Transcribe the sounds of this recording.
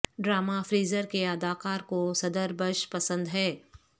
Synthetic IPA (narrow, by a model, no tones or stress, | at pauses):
ɖɾaːmafɾiːzəɾkeɐd̪aːkaːɾkosɐd̪əɾbəʃpɐsə̃nd̪ɦɛː